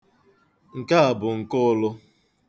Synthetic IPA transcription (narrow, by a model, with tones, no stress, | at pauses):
ŋ̩˨ka˦a˨bʊ˨ŋ̩˨kʊ˦lʊ˦